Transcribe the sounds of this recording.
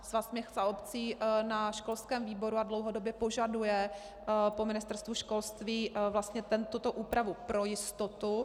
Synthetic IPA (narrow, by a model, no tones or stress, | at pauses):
zvasmɛxzaopt͡siːnaʃko̞lskɛːmviːbo̞ɾuadlowɦodobjɛpo̞ʒadujɛ | pomɪnɪst̪ɛɾst̪vuʃko̞lst̪viːvlast̪ɲɛt̪ɛnt̪ut̪oʔuːpɾavupɾo̞jɪst̪ot̪u